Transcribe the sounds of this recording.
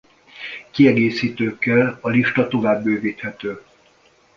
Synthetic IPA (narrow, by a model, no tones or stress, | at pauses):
kiɛɡeːsiːt̪øːkːɛlɒliʃt̪ɒt̪o̞vaːbːøːviːt̪hɛt̪øː